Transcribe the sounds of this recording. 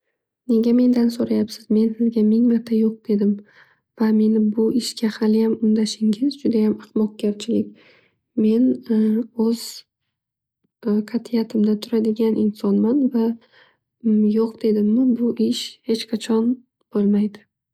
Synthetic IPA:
ne̞ɡʲame̞nd̪ansoɾajapsɪzme̞nsɪzɡʲamɪŋmat̪ʰajoq̚d̪̥e̞d̪ɪm | v̥ame̞nɪbʊʔɪʃkʲahalɪjamʊnd̪aʃɪŋʲɪzd͡ʒʊd̪ajamɑqmɒq̚ɡʲaɾt͡ʃʰɪlɪkʲ | me̞n | ɵz̥ | kʰat̪ʰɪjat̪ʰɪmd̪at̪ʰʊɾad̪ɪɡʲanʔɪnsɒnmanva | joqd̪e̞d̪ɪmːɪbʊʔɪʃhe̞t͡ʃqʰɑt͡ʃʰɒn | b̥olˠmajd̪ɪ

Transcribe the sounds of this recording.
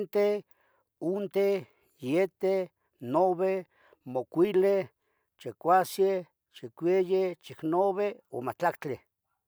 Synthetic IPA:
nt̪e | unt̪e | jet̪e | noβe | mokʷile | t͡ʃekʷase | t͡ʃekʷejet͡ʃiknoβeo̰mat͡ɬakt͡ɬe

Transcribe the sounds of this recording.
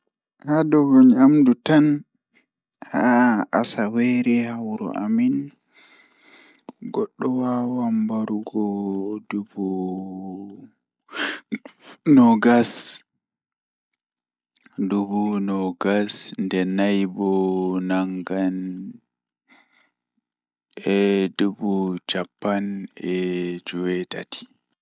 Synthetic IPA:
hadɔvuɲamdutan | haasawɛɾɛhawɾɔ̰ʔa̰min | ɡɔɗːɔwawambaɾuɡɔdubu | nɔɡas | dubunɔɡasndɛnajbɔnaŋɡan | ɛdubut͡ʃapːanɛd͡ʒuwɛta̰tʰi̥

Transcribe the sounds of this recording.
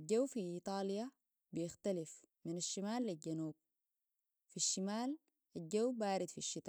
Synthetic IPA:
ɟawːfiʔiːt̪ˤɑːlja | bijɪxt̪alif | minaʃːamaːlːilɟanuːb̚ | fiʃːimaːl | ʔaɟawbaːɾid̪fiʃːit̪ˤɑ

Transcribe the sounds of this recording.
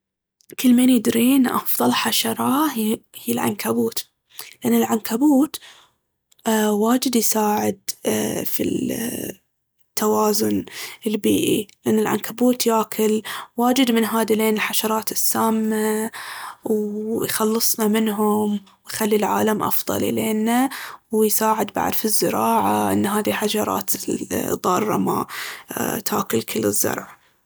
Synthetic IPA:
kɪlːmeːnjɪd̪ɾiːnʔɑ̰fðˤɑlħaʃɑɾˤɑhiːlʕa̰nkabuːt̪ | lɪʔanːɪlʕankabuːt̪ | waːd͡ʒɪd̪jsaːʕɪd̪fḭ | t̪ːawaːzʊnɪlbḭːʔḭlɪʔanːɪlʕa̰nkabuːt̪jaːkʰɪlwaːd͡ʒɪd̪mɪnɦaːd̪ileːnɪlħaʃɑɾˤɑːt̪ɪsːaːmːa | wjxɑlːɨsˤnɑmɪnɦʊm | wjxalːilʕa̰ːlamʔɑ̰fðˤɑ̰lḭleːnːawjsaːʕɪd̪ba̰ʕd̪fizːɪɾɑːʕaʔɪ̰nːɦaːðiħaʃɑɾˤɑ̰ːt̪d̪ˤɑːrˤːɑ̰ma | t̪ʰaːkɪlkʰɪlːɪzːɑ̰ɾˤʕa

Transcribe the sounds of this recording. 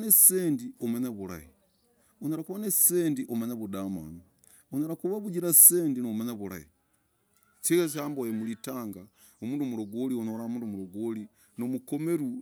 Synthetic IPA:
nesseːndiomwenaβula̰hi | onoɾakuβanesseːndiʔomwenaβudama̰ːni | onoɾakuβaβuɟiɾaseːndinomwenaβuɾa̰jḭ | t͡ʃikes̬ambojemulitaːŋɡa | omuːndomuɾoɡolionoɾamuːnduomuɾoɡoli | nomukomeɾu

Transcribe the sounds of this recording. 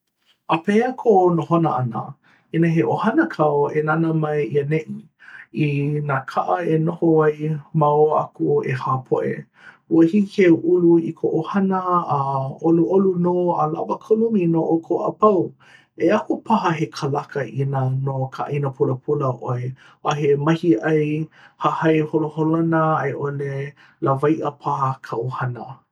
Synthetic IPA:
ʔəpeəkʰoʔnoɦonəʔɐnə̰ | inəɦeʔohɐnəkʰɐwoenanəmɐjiɐneʔi | inaːkʰaʔɐenohoajmawa̰kuḛhaːpʰo̰ʔḛ | uəhikʰewʔuluikʰoʔohɐnəː | oluʔolunoalavəkʰoluminoʔokʰoʔɐ̰pɐw | eakupʰaɦɐɦekʰɐlakɐʔinənokʰaʔinəpʰuləpʰuləʔoe | ʔaɦemɐhiʔɐjhahɐjholoholoanəaeʔole | lavajʔəpʰahkʰɐʔuhɐnə

